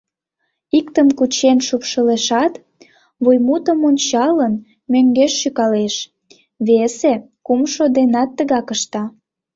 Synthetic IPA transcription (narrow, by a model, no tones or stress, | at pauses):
ikt̪əmkut͡ɕenʃupʃəleʃɑt̪ | βujmut̪əmonʲt͡ɕɑlən | møŋɡeʃːykɑleʃ | βese | kumʃod̪enɑt̪ːəɣɑkəʃt̪ɑ